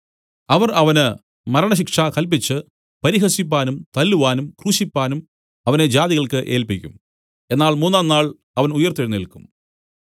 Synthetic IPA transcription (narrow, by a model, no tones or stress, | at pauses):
ɐʋɐrɐʋɐnɨ | mɐɾɐɳɐɕ̬ikʂɐkɐlp̬it͡ɕːɨ | pɐɾiɦɐsip̬ːaːnumt̪ɐlːuʋaːnumkruːɕipːaːnum | ɐʋɐned͡ʑaːðiɣɐɭkɨʔe̞ːlpikʲːṵm | e̞nːaːɭmuːnːaːnːaːɭ | ɐʋɐnujɐrt̪ːiɻunːilkum